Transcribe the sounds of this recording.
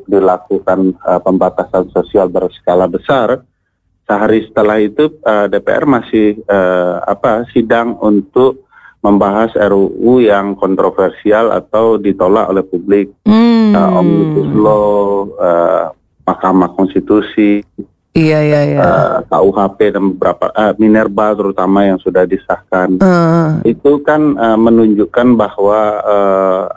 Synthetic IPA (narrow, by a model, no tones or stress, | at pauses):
k̚dilakukanəpəmbat̪asansosialbərsə̥kalabəsar | səɦaɾisə̥t̪əlahit̪uədepḛʔɛ̰rmasɪhəa̰pasidaŋunt̪ʊk̚ | məmbaɦasɛɾoujaŋkɔnt̪ɾofɛrsiala̰t̪awdit̪ola̰ʔo̰lɛhpublɪk̚əɔmlutusloə | mahkamakɔnst̪it̪usi | ijajajə̰ka̰uɦapedanbəbəɾapa̰ʔəminɛrbalt̪əɾut̪amajaŋsudahdisahkan | it̪ukanəmənuɲd͡ʒukanbahwaə